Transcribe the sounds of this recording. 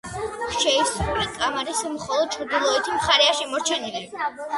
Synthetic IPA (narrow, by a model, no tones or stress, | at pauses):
ʃɛisχulikʼamaɾismχɔlˠɔd̪̚t͡ʃʰɾd̪ilˠɔɛt̪ʰimχaɾɛaʃimɔɾt͡ʃʰɛnilɛn